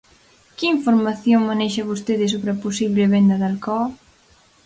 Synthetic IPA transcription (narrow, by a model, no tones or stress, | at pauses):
kɪiɱfoɾmaθjoŋmanɛjʃɐβost̪eðɪs̬oβɾɐposiβleβend̪ɐðalkɔ